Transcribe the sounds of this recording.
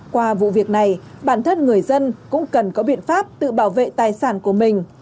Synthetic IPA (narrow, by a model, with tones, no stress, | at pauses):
kwaː˧vṵ˧˨vi˨˩ək̚na˨˩jɓaː˧˩nt̪ʰə˧nŋɨ˨˩əjzə˧nkʊ̰˧˥ŋ͡mkə˨˩nkɔ˨˦ɓḭ˧˨ənfaː˦˥p̚t̪ɨ̰˧˨ɓaː˧˩wvḛ˧˨t̪aː˨˩jsaː˧˩nku˧˩əmï˨˩ŋ̟